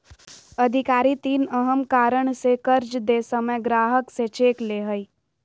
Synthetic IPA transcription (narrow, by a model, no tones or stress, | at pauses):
ɐd̪ʱɪkaːɾit̪iːnəɦəmkaːɾəɽ̃sekəɾd͡ʒd̪esəməjɡɾaːɦəkset͡ʃeːkleːɦəi